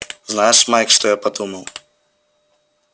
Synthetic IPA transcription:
znajɛʂmajkʂt̪ɔjapad̪umɐw

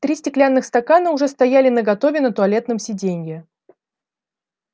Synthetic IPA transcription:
t̪ɾʲisʲtʲɪklʲanːɨxst̪ɐkanəʊʐɛst̪ɐjælʲɪnəɡɐt̪o̞vʲɪnət̪ʊɐlʲe̞t̪nɨmsʲɪdʲenʲjʲɪ

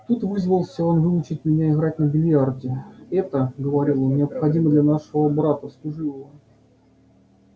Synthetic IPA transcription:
t̪ut̪vɨzvəlˠsʲəonvɨʊt͡ɕɪt̚ʲmʲɪnʲaɪɣɾatʲnəbʲɪlʲjardʲɪɛt̪əɡəvɐɾʲilˠonnʲɪəpxɐdʲiməd̪lʲanaʂɨvəbɾat̪əslˠʊʐɨlˠəvə

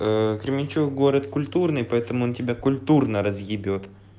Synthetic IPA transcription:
əkɾʲɪmʲɪnʲt͡ɕukɡoɾət̪kʊlʲt̪urnɨjpɐɛt̪əmʊontʲɪbʲakʊlʲt̪urnəɾəzjʲɪbʲot̪

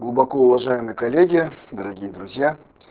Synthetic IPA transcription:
ɡlˠʊbɐkɔʊvɐʐajɪmɨjəkɐlʲeɡʲɪd̪əɾɐɡʲijəd̪ɾʊzʲja

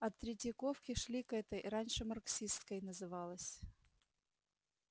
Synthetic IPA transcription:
ɐt̪ːɾʲɪtʲɪkofkʲɪʂlʲikɛt̪əjɾanʲʂɨmɐrksʲist̪kəjnəzɨvalˠəsʲ

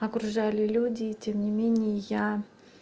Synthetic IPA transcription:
ɐkɾʊʐalʲɪlʲudʲɪtʲemnʲɪmʲenʲɪjəja

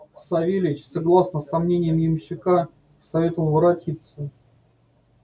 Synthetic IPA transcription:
sɐvʲelʲɪɪt͡ɕsɐɡlˠasnəsɐmnʲenʲɪjəmjɪmɕːɪka | sɐvʲe̞t̪əvəlˠvəɾɐtʲit̪sə

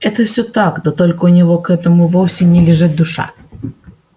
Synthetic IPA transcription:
ɛt̪əfsʲɵt̪akd̪ot̪olʲkəʊnʲɪvo̞kɛt̪əmʊvofsʲɪnʲɪlʲɪʐɨt̪̚d̪ʊʂa̰

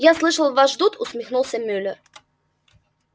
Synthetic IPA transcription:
jaslˠɨʃəlˠvaʃd̪ut̪ʰusmʲɪxnulˠsʲəmʲølʲə

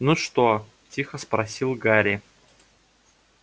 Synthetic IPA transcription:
nuʂt̪o | tʲixəspɾɐsʲilˠɡaɾʲɪ

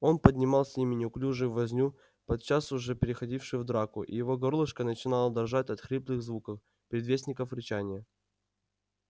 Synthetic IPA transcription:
o̞npədʲnʲɪmɑlˠsʲimʲɪnʲɪʊklʲuʐɨvːɐzʲnʲu | pɐt̪̚t͡ɕasʊʐɛpʲɪɾʲɪxɐdʲifʂɨjvd̪ɾakʊʔḭjɪvo̞ɡɐɾlˠɨʂkənət͡ɕɪnalˠəd̪ɐrʐatʲɐt̪xɾʲiplˠɨɣzvukəf | pʲɾʲɪd̪vʲesʲnʲɪkəfɾʲɪt͡ɕanʲɪjə

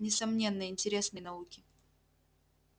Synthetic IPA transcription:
nʲɪsɐmnʲe̞nːəɪnʲtʲɪɾʲe̞snəjnɐukʲɪ

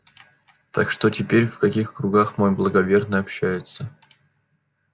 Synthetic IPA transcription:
t̪akʂt̪o̞tʲɪpʲeɾʲfkɐkʲixkɾʊɡaxmojblˠəɡɐvʲe̞rnəɐpɕːæjɪt̪sə

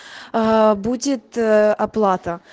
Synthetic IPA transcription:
budʲɪt̪ɐplˠat̪ə

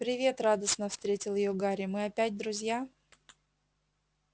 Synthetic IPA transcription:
pɾʲɪvʲe̞t̪rad̪əsnəfst̪ɾʲetʲɪlˠjɪjoɡaɾʲɪmɨɐpʲætʲd̪ɾʊzʲja

